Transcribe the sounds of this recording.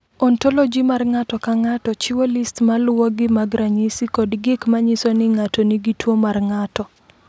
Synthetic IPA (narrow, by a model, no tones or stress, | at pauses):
ɔntɔlɔd͡ʒimarŋatɔkaŋatɔt͡ʃɪwolistmalwɔɡɪmaɡɾaɲisikɔdɡɪkmaɲɪsonɪŋatɔniɡitwomarŋatɔ